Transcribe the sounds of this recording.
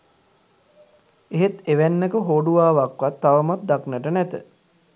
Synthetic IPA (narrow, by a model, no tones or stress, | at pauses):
eɦet̪eʋænːəkəɦoːɖuʋaːʋakʋat̪ːaʋəmat̪̚d̪aknəʈənɛt̪ə̰